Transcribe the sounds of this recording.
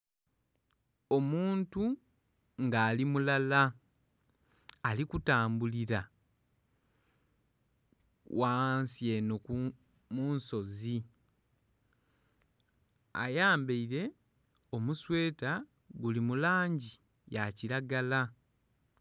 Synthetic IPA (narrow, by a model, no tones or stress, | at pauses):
o̞muːntu | ŋɡaːlimulala | likutaːmbuliɾa | waːnsjeːnoku | muːnso̞zi | a̰jaːmbeiɾe̞ | o̞muswe̞ːta | ɡulimulaːɲɟi | jaciɾaɡala